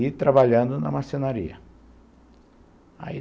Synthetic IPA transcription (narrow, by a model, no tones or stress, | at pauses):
it̪ɾabaʎɐ̃nd̪ʊnɐ̰masẽnaɾḭɐ̰ | a̰i